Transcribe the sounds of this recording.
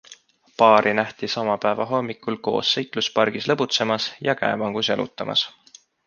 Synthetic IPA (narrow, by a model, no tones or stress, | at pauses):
pɑːɾʔinæht̪isɑmɑpæevɑɦo̞mːikulko̞̰ːsːɤjk̪luspɑrɡ̥islɤbut̪se̞mɑsjɑkæ̰emɑŋɡ̥uselṵt̪ːˑɑmʔɑ̰s